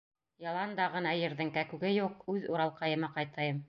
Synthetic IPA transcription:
jɑlˠɑnd̪ɑʁɤ̆nɑjɘ̆ɾðɘ̆ŋkækʉɡɘjuqʉðuɾɑlˠqɑjɤ̆mɑqɑjt̪ɑjɤm

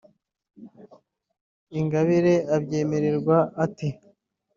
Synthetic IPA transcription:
iŋɡaβiɾe̞abɟe̞ːmeɾeɾɡwaːti

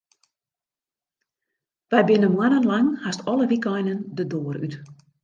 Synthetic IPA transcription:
ʋɛjbɪnəmwanənlaŋhastɔləʋikɔjnəndədoːəry̰t

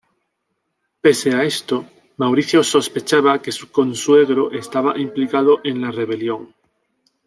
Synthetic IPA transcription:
pe̞seae̞st̪o̞ | mawɾiθjoso̞spe̞t͡ʃaβake̞suko̞nswe̞ɣ̞ɾo̞ʔe̞st̪aβaʔimplikaðo̞ʔe̞nlare̞β̞e̞ljo̞ŋ

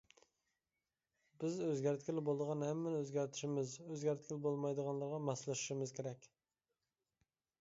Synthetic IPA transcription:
bɪzøzɡʲæɾt̪kʲɪlbolˠd̪əʁɑnhɛmːɛnøzɡʲæɾt̪ʰɪ̥ʃɪmɪzøzɡʲæɾt̪̚kʲʰilbolˠmɑjd̪əʁɑnlˠɑɾʁɑmɑslˠɨʃu̥ʃɪmɪzkʲʰeɾɛkʲ

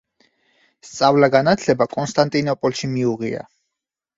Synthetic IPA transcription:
st̪sʼavlaɡanat̪ʰlɛbakʼɔnst̪ʼant̪ʼinɔpʼɔlʃimiuʁia̰

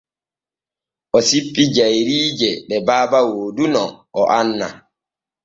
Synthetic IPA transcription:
ʔɔsipʼːid͡ʒajɾiːd͡ʒɛɗɛbaːbawoːdunɔʔɔʔanːa̰

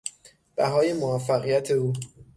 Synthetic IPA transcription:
b̥æɦɒːje̞moæfːæɣijæt̪ʰe̞uː

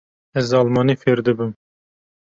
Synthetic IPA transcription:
ɛzɑːlmɑnifeɾd̪ɨbɨm

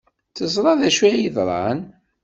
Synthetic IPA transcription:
θəzˤɾˤɑðæʃijiðˤɾˤɑ̰n

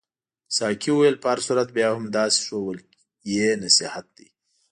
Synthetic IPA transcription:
sɑkʰiwuwjelpəaɾsuɾat̪̚bjɑhʊmd̪ɑsi̥ʂowəl | jenasihat̪̚d̪i

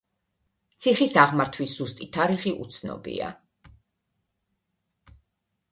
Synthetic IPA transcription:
t̪sʰiχisaʁmaɾt̪ʰwisz̥ust̪ʼit̪ʰaɾiχiʔut̪sʰnɔ̰bḭa̰

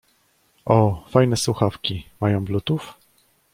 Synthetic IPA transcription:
ʔɔfajnɛswuxafkʲimajɔ̃w̃blut̪uf

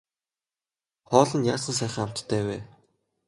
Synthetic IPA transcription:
χɔːɮə̆njaːsə̆ns̬æːχə̆ŋam̥t̪ʰːæːweː

